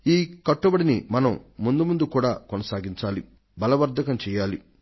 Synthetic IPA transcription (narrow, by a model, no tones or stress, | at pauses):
iːkɐʈːubɐɽinimɐnɐmːund̪umund̪ukuːɽaːkonɐsaːɡiɲt͡ʃaːli | bɐlɐʋɐɾd̪ʱɐkɐmt͡ʃɛːjaːli